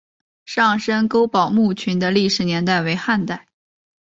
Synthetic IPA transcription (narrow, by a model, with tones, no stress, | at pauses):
ʂɑ˥˩ŋʂə˥nko˥ʊpɑ˨˩ʊmu˥˩t͡ɕʰy˧˥nd̪ə˧li˥˩ʂɻ̩˧˥njɛ˧˥nt̪a˥˩ɪwe˧˥ɪxa˥˧nt̪a˥˩ɪ